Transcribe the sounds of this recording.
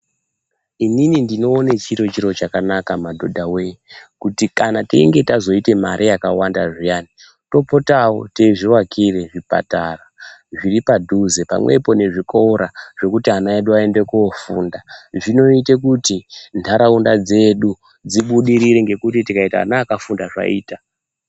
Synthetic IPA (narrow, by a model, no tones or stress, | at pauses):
ininindino̞ːnet͡ʃiɾo̞t͡ʃiɾo̞t͡ʃakanakamadʱodʱawekutikanatḛḭŋɡe̞tazo̞ite̞maɾʔijakawandaʐijani | to̞po̞tawo̞̰teʐiwakʰire̞ʐipa̰taraʐiripadʱuzepa̰mwe̞̰po̞ne̞ʐikoɾaʐ̥e̞kutianaeɗuae̞nde̞kuofuːndaʐino̞ite̞kutintʰaɾaundad͡ze̞ɗu | d͡ziɓuɗiɾiɾeŋɡe̞kutitikaita̰ːnaːkafundaʐa̰ḭːta